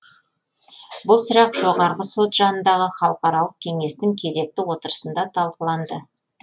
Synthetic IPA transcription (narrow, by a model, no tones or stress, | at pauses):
bʊlˠsəɾɑqʒ̥o̞ʁɑɾʁəso̞t̪ʒɑnənd̪ɑʁəχɑlˠəqɑɾɑlˠəq̚kʲʰe̞ŋe̞st̪ɪŋkʲʰe̞ze̞k̚t̪ɪwo̞t̪əɾə̥sənd̪ɑt̪ʰɑlˠqəlˠɑnd̪ə